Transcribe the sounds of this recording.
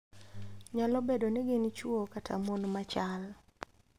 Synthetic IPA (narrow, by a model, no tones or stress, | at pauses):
ɲalɔbedonɪɡɪnt͡ʃwokatʰamonmat͡ʃal